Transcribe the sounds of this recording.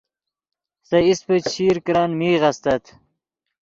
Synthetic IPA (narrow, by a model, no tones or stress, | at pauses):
sɐispəɕʰiːɾkɾaːnmiːʁɐst̪ɐt̪